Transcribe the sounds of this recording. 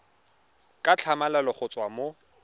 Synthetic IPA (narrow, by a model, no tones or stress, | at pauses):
kʼat͡ɬʰamalalɔχʊt͡sʼwamo